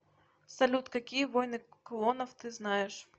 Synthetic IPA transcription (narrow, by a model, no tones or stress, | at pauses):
sɐlʲut̪kɐkʲijɛʋɔjnɨkɔlˠɔnɐwt̪ɪznɑjɛʂ